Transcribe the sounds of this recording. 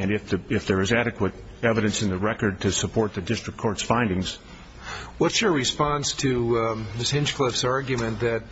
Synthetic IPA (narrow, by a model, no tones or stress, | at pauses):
ɨ̃nɨfðɨɪfðə˞ɨzæɾɨkwəɾ | ɛvɨɾɨ̃nsɨ̃nðɨɹɛkə˞d̚tʰɨsəpʰɔɹt̪̚ðɨdɪstɹ̥ɨk̚kʰɔɹtsfãɪ̃ndɪ̃ŋz̥ | wʌtsjə˞ɹɨspɑ̃nstʰɨðɪshɪ̃nʃkʰl̥ɪfsɑɹɡjɨmɨ̃nðɨt̚